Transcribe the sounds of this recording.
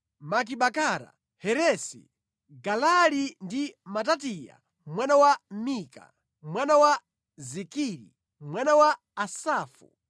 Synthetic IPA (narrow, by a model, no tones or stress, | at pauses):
mak̬iɓakaɾa̰ | hɛɾɛsḭ | ɡalalindimatatija̰ | mwanawamika̰ | mwanawa | zikiɾḭ | mwanawaː | saːfṵ